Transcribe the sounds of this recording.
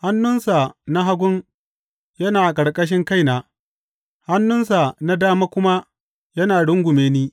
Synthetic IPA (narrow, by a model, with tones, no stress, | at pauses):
ha˦nːʊ˦nsa˨na˦ɦa˦ɡʷʊ˦ŋ | jɐ˦naː˨kʼɐ˨ɽkʼɐ˦ʃ̬ɪ˦ŋka˦jnaː˨ | ha˦nːʊ˦nsa˨na˦daː˦maː˦kʷʊ˦ma˦ | jɐ˦naː˨ɽʊ˦ŋɡʷʊ˨meː˦niː˦